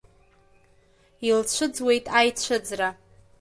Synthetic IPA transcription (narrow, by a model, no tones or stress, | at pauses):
ilt͡ɕʷʰɨd͡zwe̞jtʼajt͡ɕʷʰɨd͡zra